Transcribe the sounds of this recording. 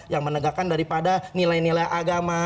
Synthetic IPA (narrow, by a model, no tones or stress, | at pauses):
jaŋmənəɡakandaɾipadanilajnilajʔaɡama